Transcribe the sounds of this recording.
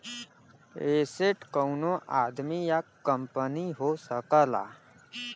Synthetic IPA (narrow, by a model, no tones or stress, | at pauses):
eseʈkəwnoʔad̪mijakəmpəniɦosəkəla̰